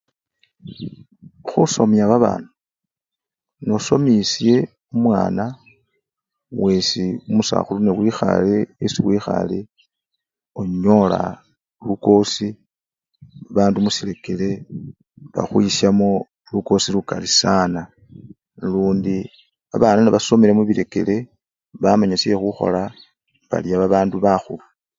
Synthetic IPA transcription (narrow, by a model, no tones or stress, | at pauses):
xuso̞mjaβaβa̰ːnu | noso̞misje̞ | umwa̰ːna | we̞siumusa̰xulunewixa̰leesiwixa̰le | oɲo̞la̰ | luko̞si | βaːndumusile̞kele̞ | βa̰xwisjamo | luko̞silukalisaːna | luːndi | βa̰βananaβaso̞miɾemuβile̞ke̞̰le̞ | βamaɲasiexuxo̞̰la | βa̰ljaβaβaːnduβaxulu